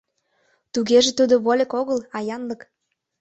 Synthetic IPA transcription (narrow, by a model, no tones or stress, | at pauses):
t̪uɣeʒĕt̪ud̪oβolʲekoɣəlɑjɑnlək